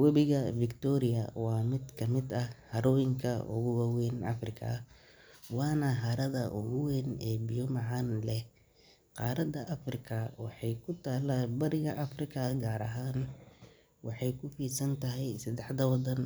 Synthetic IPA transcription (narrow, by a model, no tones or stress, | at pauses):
wɐβɪɣɐfɪkt̪ʰɔːɾɪjɐ̰wɑːmɪd̪kʰɐmɪd̪ɐhɐɾɔːjɪŋkʰɐʔʊ̰ɣʊwɐwɛːnʔɐ̰frɪkʰɐ̰ | wɑːnɐɦɐɾɐðɐʔʊ̰ɣʊwɛnɛːbɪjɔmɑʕɑːnlɛ | qɑːɾɐd̪ɐʔɐfrɪkʰɐwɑħɑjkʰʊt̪ʰaːlaːbɐɾɪɣɐʔɐfrɪkʰɐɡaːɾɐɦaːn | wɑħɑjkʰʊfiːsɐnt̪ʰɐɦɛjsɐd̪ɛħd̪ɐwɑd̪ɐn